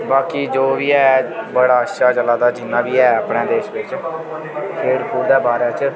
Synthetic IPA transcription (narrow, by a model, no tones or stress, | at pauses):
baːkiːd͡ʒoːʋiːɛːbəɽaːəʃaːd͡ʒəlaːd̪aːd͡ʒɪnːãːbiːɛːəpɽẽːd̪eːʃʋɪt͡ʃ | kʰeːɽpuːɾd̪ɛːbaːɾaːt͡ʃ